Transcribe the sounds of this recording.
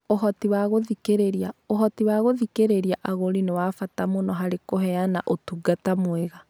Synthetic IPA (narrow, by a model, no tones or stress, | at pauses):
oɦɔtiwaɣoðikeɾeɾiaoɦɔtiwaɣoðikeɾeɾiaʔaɣoɾinewafatamonɔɦaɾekoɦɛanaʔotuɡatamwɛɣa